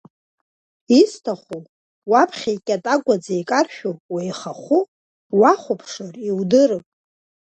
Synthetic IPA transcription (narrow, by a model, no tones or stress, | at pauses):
istʰaχʷu | wapʰχʲajkʲʼatʼaɡʷʼad͡zajkʼarʃᶣowajχaχʷu | waχʷʊpʰʂariwdɨɾɨpʼ